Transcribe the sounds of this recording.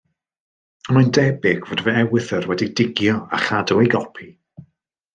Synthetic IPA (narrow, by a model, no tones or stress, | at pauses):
ɔnmajndɛbɪɡ̥voːdəvəɛwɨθərwɛdidɪɡjɔa̰χadɔwejɡɔpʰi